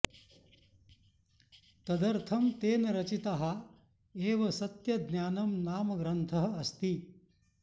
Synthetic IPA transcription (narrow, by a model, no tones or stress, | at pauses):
t̪ɐd̪ɐɾt̪ʰɐmt̪eːnɐɾɐt͡ʃit̪aɦɐ | eːʋɐsɐt̪jɐd̪njaːnɐmnaːmɐɡɾɐnt̪ʰɐɦɐ̆ɐst̪i